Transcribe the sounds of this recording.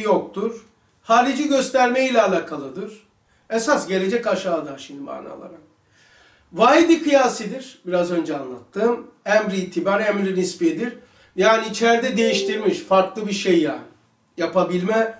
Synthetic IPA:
jok̚t̪ʰuɾ̥ | haːɾid͡ʒiɟø̞st̪ʰæɾmejilʲɛːlʲaːkʰalˠɯd̪ɯɾ̥ | esasɟe̞lʲe̞d͡ʒɛcaʃaːd̪aʃind̪ima̰ːɾna̰lˠa̰ɾa | vaːjid̪ikʰɯjaːsid̪iɾ̥biɾazø̞nd͡ʒɛanlˠa̰t̪ʰːɯːmæmɾiiːt̪ʰibaɾæmɾinispid̪iɾ | jaːniːt͡ʃʰæɾd̪ɛd̪e̞jiʃt̪iɾmiʃfaɾklˠɯbiɾʃejːa | japʰabilʲmɛ

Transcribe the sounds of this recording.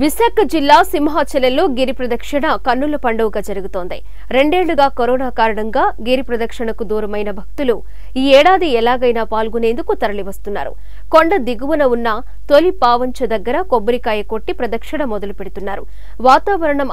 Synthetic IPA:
ʋisaːkɐd͡ʒilːaːsimɦaːt͡ʃɐlɐlːo̞ːɡiɾipɾɐd̪ɐkʂɐɳɐkɐnːulɐpɐɳɖɐʋuɡaːd͡ʒɐɾuɡut̪o̞ːnd̪ḭ | ɾe̞ɳɖe̞ːɭːuɡaːkoɾɔːnaːkaːɾɐɳɐŋɡaːɡiɾipɾɐd̪ɐkʂɐɳɐkud̪uːɾɐmɐjnɐbʱɐk̚t̪ulu | iːɛːɽaːd̪iɛlaːɡɐjnaːpaːlɡune̞ːnd̪ukut̪ɐɾɐliʋɐst̪unːa̰ːɾṵ | koɳɖɐd̪iɡuʋunɐunːɐ | t̪olipaːʋɐɲt͡ʃɐd̪ɐɡːɐɾɐkobːɐɾikaːjɐkoʈːipɾɐd̪ɐkʂɐɳɐmɔd̪ɐlupeɽut̪unːaːɾṵ | ʋaːt̪aːʋɐɾɐɳɐm

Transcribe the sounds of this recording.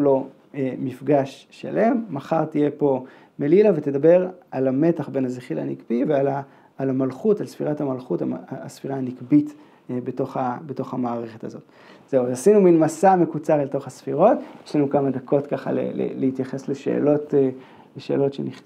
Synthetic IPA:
lo̞ | emifɡaʃːa̰le̞mːaχaʁt̪ije̞po̞ | melilavet̪e̞d̪abe̞ʁalame̞taχbe̞nazeχila̰nikbivealaː | lamalχutalsfiʁathamalχuta̰sfiʁaːnikbit̪ | beto̞χabeto̞χamaːʁe̞χet̪azo̞t̪ | z̥euvasinuminmasame̞kut͡saʁleto̞χhasfiʁo̞tjeʃlanukamad̪akʰo̞tkaχa̰lḛlḛlehit̪jaχe̞sleʃe̞̰ːlo̞t | leʃe̞̰ːlo̞tʃḛniχ

